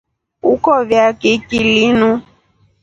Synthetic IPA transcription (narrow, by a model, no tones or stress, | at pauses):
ukɔvjakekilinũ